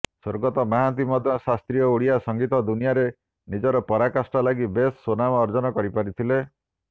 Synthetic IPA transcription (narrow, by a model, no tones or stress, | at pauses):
swoɾɡɔt̪ɔmaɦant̪̬imɔd̪ʱjɔsast̪ɾijɔuɽijasɔŋɡit̪ɔd̪unijaɾe | nid͡ʒɔɾɔpɔɾakasʈɔlaɡibesːonamɔːɾd͡ʒɔnɔkɔɾipaɾit̪ʰile